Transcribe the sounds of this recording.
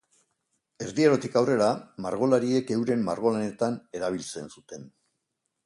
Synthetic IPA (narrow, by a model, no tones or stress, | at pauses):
e̞ɾðieɾot̪ikawre̞ɾamaɾɣ̞o̞laɾie̞ke̞wɾe̞mːa̰ɾɣo̞lane̞t̪ane̞ɾaβ̞ilt͡se̞̰nsut̪e̞n